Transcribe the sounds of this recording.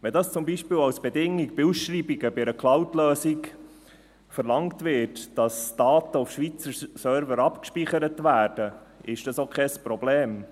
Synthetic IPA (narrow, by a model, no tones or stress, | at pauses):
ʋɛndɑst͡sʊmbiʃpiːwɑwsb̥ɛdɪŋɪɡb̥ɪusʃriːbiɡəbɪɛɾəklɑwtløːsik | fəɾlɑŋtʋɪtd̥ɑsd̥ɑːt̪əufʃʋit͡səsœɾvəɾɑpkʃpiχəɾətʋæːrd̥ə | ɪʃd̥ɑsokʰχɛspɾɔbleːm